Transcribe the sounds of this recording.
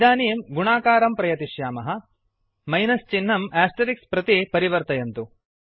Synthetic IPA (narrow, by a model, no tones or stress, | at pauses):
d̪aːnijɐmɡuɳaːkaːɾɐmpɾɐjɐt̪iʃjaːmɐɦɐ̆ | mɐjnɐst͡ʃin̤ːɐmæːsʈeɾikspɾɐt̪ipɐɾiʋɐɾt̪ɐjɐnt̪u